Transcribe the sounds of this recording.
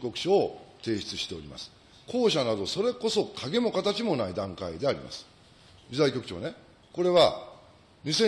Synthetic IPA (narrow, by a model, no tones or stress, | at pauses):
kʲo̞kɯ̟̥ɕoːt̪e̞ːɕi̥t͡sɨɕi̥t̪e̞o̞ɾima̰sɨ̥ | kʰo̞ːɕanad̪o̞so̞ɾe̞ko̞so̞kʰaɡe̞mo̞kat̪at͡ɕimo̞naid̪ãŋkaid̪e̞aɾʲḭma̰sɨ̥ | d͡ʑʲizaikʲo̞kɯ̟̥t͡ɕo̞̰ːne̞ | ko̞ɾe̞βa | ɲisẽ